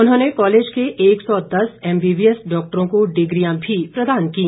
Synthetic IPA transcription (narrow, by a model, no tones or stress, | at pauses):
ʊnɦõːnekɔːleːd͡ʒkeʔeːksɔd̪ɐsɛːmbiːbiəsɖɔːk̚ʈəɾõkoɖɪɡɾijãbʱipɾɐd̪aːnkĩ